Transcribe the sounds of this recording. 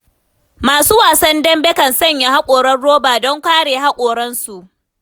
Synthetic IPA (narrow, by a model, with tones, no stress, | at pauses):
maː˨suː˦waː˨sɐ˦ndɐ˦mbɛ˦kɐ˨nsɐ˦˨ɲja˨ha˦kʷʼoː˨ɽɐ˦rɽoː˦baː˨dɔ˦ŋkʷaː˦ɽeː˨ɦa˦kʷʼoː˨ɽɐ˦nsu˨ʔ